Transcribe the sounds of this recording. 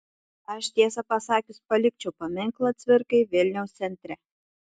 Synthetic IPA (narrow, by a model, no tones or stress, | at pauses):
ɐʃt̪ʲiɛsɐpɐsɑːkʲʊsʲpɐlʲɪk̚t͡ʃʲɛwpɐmʲɪŋklˠɐt̪ʲsʲʋʲɪɾkɐɪʋʲɪlʲnʲɛʊst̪sʲɛnʲt̪ʲɾʲæ